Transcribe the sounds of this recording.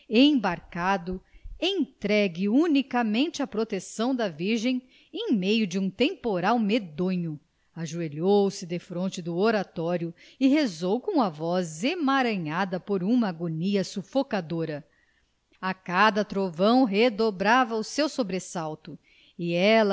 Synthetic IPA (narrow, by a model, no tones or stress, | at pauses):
ẽj̃baɾkad̪ʊẽj̃t̪ɾɛɡɪunikɐmẽnt͡ʃɪɐpɾot̪esɐ̃w̃d̪ɐviɾʒẽj̃ | ẽj̃mejʊd͡ʒɪũt̪ẽmpoɾawmed̪õɲʊ | aʒueʎowsɪd̪efɾõnt͡ʃɪd̪ʊoɾat̪ɔɾjʊ | ɪɦezowkõw̃ɐvɔzemaɾɐ̃ɲad̪ɐpoɾũmɐːɡoniɐsufokad̪oɾɐ | akad̪ɐt̪ɾovɐ̃w̃ɦed̪obɾavɐusewsobɾesawt̪ʊ | ɪɛlɐ